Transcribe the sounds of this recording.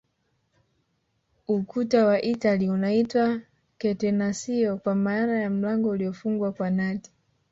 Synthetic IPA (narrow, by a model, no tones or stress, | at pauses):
ukutawaʔitaliunaitwa | kɛtɛnasiɔkwamaːnajam̩laŋɡɔuliɔfuŋɡwakwanati̥